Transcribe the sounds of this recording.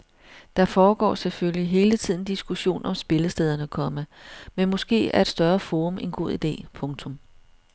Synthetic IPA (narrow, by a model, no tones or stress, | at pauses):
d̥ɑ̈fɒːɡ̥ɒ̰ːseføliɦe̝ːlət͡sʰið̰ˠn̩d̥isɡ̥uɕo̝̰ːnɒ̽msb̥e̝ləsd̥eːð̞ˠɐnəkʰɒ̽məmenmɔ̽sɡ̥e̝̰ːæɐe̝d̥sd̥ɶɐfo̝ːʁɔmʔe̝nɡ̥o̝ð̞̰ˠid̥e̝̰ːpʰɔ̽ŋt͡sʰɔ̽m